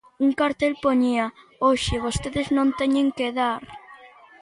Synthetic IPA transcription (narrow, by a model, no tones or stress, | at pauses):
uŋkaɾt̪elpoɲiɐoʃɪβost̪eðeznõnt̪eɲeŋkeðaɾ